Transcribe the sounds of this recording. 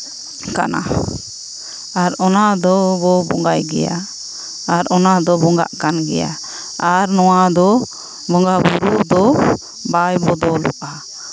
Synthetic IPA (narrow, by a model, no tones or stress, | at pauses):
ka̰na̰ | aɾɔnad̪ɔbɔbɔŋɡajɡɛ̰ja̰ | aɾɔnad̪ɔbɔŋɡa̰ʔkanɡɛ̰ja̰ | aɾnɔwad̪ɔ | bɔŋɡabuɾuʔd̪ɔ | bajbɔd̪ɔlɔ̰ʔa